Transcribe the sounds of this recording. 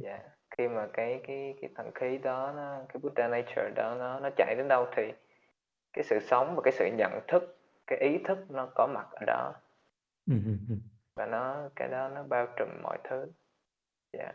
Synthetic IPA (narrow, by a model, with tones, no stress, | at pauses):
zaː˧˨˩ | xi˧maː˨˩kaː˨˦jkaː˨˦jkaː˨˦jt̪ʰə˧˩nxi˨˦ɗɔ˨˦nɔ˨˦kaː˨˦jɓu˦˥ɗaː˧naː˧t͡ɕəː˨˩ɗɔ˨˦nɔ˨˦nɔ˨˦t͡ɕa̰˧˩˨jɗə˨˦nɗə˧wt̪ʰi˨˩ | kaː˨˦jsɨ̰˧˨sə˨˦wŋ͡mvaː˨˩kaː˨˦jsɨ̰˧˨ɲə̰˧˨nt̪ʰɨ˦˥k̚ | kaː˨˦jʔi˨˦t̪ʰɨ˦˥k̚nɔ˨˦kɔ˨˦ma˨˩t̚ʔəː˧˩ɗɔ̰˨˦˨ | vaː˨˩nɔ˨˦kaː˨˦jɗɔ˨˦nɔ˨˦ɓaː˧wt͡ɕi˨˩ŋmɔ̰˧˨jt̪ʰɨ˨˦ | za̰ː˧˨